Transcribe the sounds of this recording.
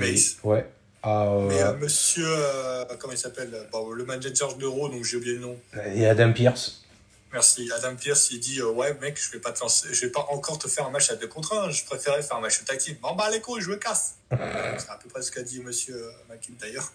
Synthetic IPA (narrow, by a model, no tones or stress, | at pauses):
mɛswɛ | amɛøməsjøøkɔmɑ̃ilsapɛløbɔ̃ləmand͡ʒɛnzɛʁd̪əʁod̪ɔ̃kʒeobijelənɔ̃ead̪ampiʁs | mɛʁsiad̪ampiʁsid̪iøwɛmɛkʒ̥əvɛpat̪əɑ̃seʒəvɛpaʔɑ̃kɔʁt̪əfɛʁɛ̃mat͡ʃad̪əkɔ̃t̪χɛ̃ʒə̥pχefɛʁɛfɛʁɛ̃mat͡ʃət̪akʲimɑ̃balekoʒəməkas | səapəpχɛsə̥kad̪iməsjøømakʲimd̪ajœːʁ